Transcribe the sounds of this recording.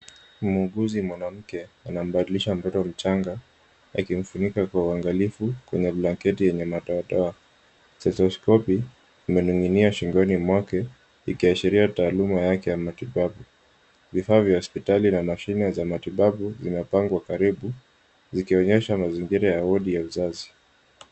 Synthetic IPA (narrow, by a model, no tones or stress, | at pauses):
muɡuzimwanam̩kɛanam̩ɓaɗiliʃam̩tɔtɔwm̩t͡ʃaŋɡa | a̰kim̩funikakwauaŋɡalifukwɛɲɛblaŋkɛtijɛɲɛmaɗɔaɗɔa | sɛsɔskɔpiː | mɛnuŋiniaʃiŋɡɔnimwakɛ | ikiaʃiɾiataːlumajakɛjamatiɓaɓu | vifaːvjahɔspitalinamaʃinɛzamatiɓaɓuzimɛpaŋɡwakaɾiɓu | zikiɔɲɛʃamaziŋɡiɾajaɔɗijauzazi